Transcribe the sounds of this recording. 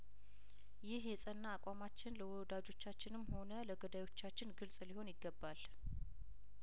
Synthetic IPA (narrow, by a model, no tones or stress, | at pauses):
jɪhjɛsʼənːaːkʷʼamat͡ʃːɪnləwɔd̪ad͡ʒo̞t͡ʃːat͡ʃːɪnɨmːho̞nələɡəd̪ajwo̞t͡ʃːat͡ʃːɪnɡɨlsʼliho̞njɪɡːəbːal